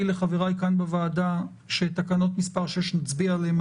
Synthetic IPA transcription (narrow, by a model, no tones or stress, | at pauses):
ileχaveʁajkanbevaːda | ʃet̪akano̞t̪mispaʁʃeʃnat͡sbialem